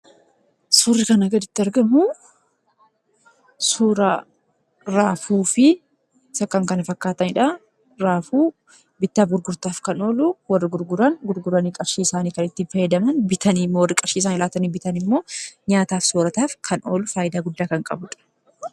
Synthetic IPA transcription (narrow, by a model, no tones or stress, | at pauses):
suːrːɪkɐnɐɡɐd̪ɪt̪ːɪɐɾɡɐmʊ | suːɾɐ | ɾaːfuːfɪ | sɐkːɐŋkɐnɐfɐkːaːt̪ɐnɪᶑɐ | ɾaːfuː | bɪt̪ːaːbɡʊɾɡʊɾt̪aːfkɐno̞ːlʊwɐrːɪɡʊɾɡʊɾɐnɡʊɾɡʊɾɐniːkʼɐbʃiːɪsaːniːkɐnɪt̪ːɪnfɐjɐd̪ɐmɐnbɪt̪ʰɐniːmːowɐrːɪkʼɐbʃiːsaːnɪlaːt̪ɐniːbɪt̪ɐnɪmːo̞ːɲaːt̪aːfsoːɾɐt̪aːfkʰɐnʔoːlʊfaːjɪd̪aːɡʊd̪ːaːkɐŋkʼɐbʊᶑɐ̥